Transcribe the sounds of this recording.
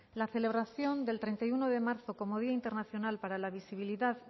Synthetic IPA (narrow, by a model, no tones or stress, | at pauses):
laθe̞le̞βɾaθjo̞nd̪e̞lt̪ɾent̪ajuno̞ðe̞maɾθo̞ko̞moð̞iaint̪e̞ɾnaθjo̞nalpaɾalaβ̞isiβ̞iliðað